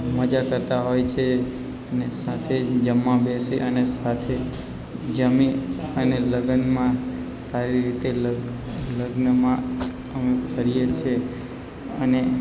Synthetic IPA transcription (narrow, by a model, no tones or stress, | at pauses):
məd͡ʒakəɾt̪aɦojt͡ʃʰe | ənesat̪ʰed͡ʒəmːãbeseʔənesat̪ʰe | d͡ʒəmiəneləɡənmã | saɾiɾit̪el | ləɡnəmã | əmekəɾijet͡ʃʰe | əne